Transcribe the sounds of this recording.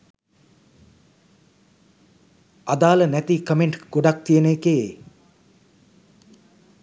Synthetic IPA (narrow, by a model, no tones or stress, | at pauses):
ad̪aːlənæt̪ikəmeɳʈɡ̥oɖak̚t̪ijəneːkee